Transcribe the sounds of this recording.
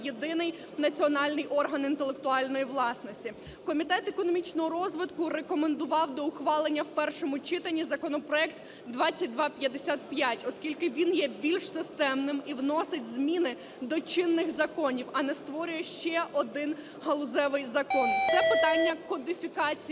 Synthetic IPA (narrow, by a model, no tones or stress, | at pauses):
jed̪ɪnɪj | nɐt͡sʲiɔnɑlʲnɪjʔɔrɦɐnint̪elˠekt̪ʊɑlʲnɔjiʋlˠɑsnɔsʲtʲi | kɔmʲit̪ɛt̪ekɔnɔmʲit͡ʃnɔɦɔɾɔzʋɪt̪kʊrekɔmend̪ʊʋɑwd̪ɔʊxʋɑlˠenʲːɐwpɛrʃɔmʊt͡ʃɪt̪ɐnʲːizɐkɔnɔpɾɔɛkt̪ | d̪ʋɑt͡sʲːɐt̚ʲd̪ʋɑpʲjɐd̪esʲat̪pjatʲɔskʲilʲkɪʋʲinjɛbʲilʲʃsɪst̪ɛmnɪmiwnɔsɪtʲzmʲinɪ | d̪ɔt͡ʃɪnːɪxzɐkɔnʲiwɐnɛst̪ʋɔɾʲʊjɛʃt͡ʃɛʔɔd̪ɪn | ɦɐlˠʊzɛʋɪjzɐkɔnt̪sɛpɪt̪ɑnʲːɐkɔd̪ɪfʲikɑt͡sʲi